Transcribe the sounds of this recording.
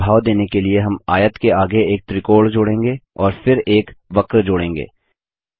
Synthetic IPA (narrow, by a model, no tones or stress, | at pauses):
bʱaːʋd̪eːnekelieɦɐmaːjət̪keaːɡeeːk̚t̪ɾɪkoːɭd͡ʒoːɽẽːŋɡeɔːɾfɪɾeːkʋɐkɾd͡ʒoːɽẽːŋɡḛː